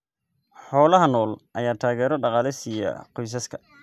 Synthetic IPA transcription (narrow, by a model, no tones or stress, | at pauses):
ħɔːlɐɦɐnɔːlʔɐjaːt̪ʰaːɣɛːɾɔɖɑqɑːlɪsijɐ̰qɔjs̬ɐskʰɐ